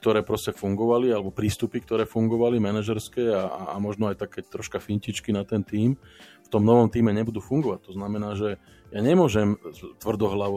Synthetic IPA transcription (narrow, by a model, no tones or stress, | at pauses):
k̚t̪ɔɾɛːpɾɔscɛfuŋɡɔʋalialɛbɔpɾiːst̪upikt̪ɔɾɛːfuŋɡɔʋalimɛnaʒɛɾskɛːaa̰amɔʒnɔajt̪akːɛːt̪ɾɔʃkafiɲcit͡ʃkinat̪ɛnt̪iːmft̪ɔmnɔʋɔmt̪iːmɛɲɛbud̪uːfuŋɡɔʋac̚t̪ɔznamɛnaːʒɛ | jaɲɛmʊɔʒɛmt̪ʋr̩d̪ɔɦlaʋɔ